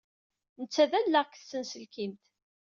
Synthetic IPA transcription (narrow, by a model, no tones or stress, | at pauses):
nət͡sːæðænːæʁkːθsːənsəlkimt̪